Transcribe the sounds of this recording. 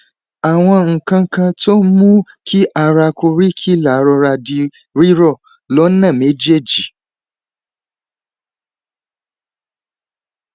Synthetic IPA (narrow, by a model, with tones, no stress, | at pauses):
a˨w̃ɔ̃˧ŋ̩˨kã˧˦kã˧to˦mũ˦ | kʰi˦ʔa˨ɾa˧ko˧ɾi˦kʰi˦la˨ɾɔ˧ɾa˧di˧ | ɾi˦ɾɔ˦˨ | lɔ˨˦nã˦˨me˨˦d͡ʒe˦˨d͡ʒi˨